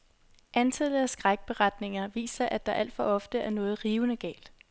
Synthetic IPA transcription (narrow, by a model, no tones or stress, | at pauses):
ʔænt͡sʰæləæsɡ̥ʁaɡ̥̚b̥e̝ʁad̥ne̝ŋɐʋḭːsɐʔæd̥ɑ̈ʔæl̰d̥fɒ̽ɒ̽fd̥əæɐnɔ̽ːð̞̩ˠʁiːʊnəɡ̥ɛ̰ːld̥